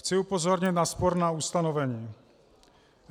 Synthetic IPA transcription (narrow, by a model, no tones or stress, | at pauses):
t͡sɪupozɔɾɲɪt̪naspoɾnaust̪anovɛɲiː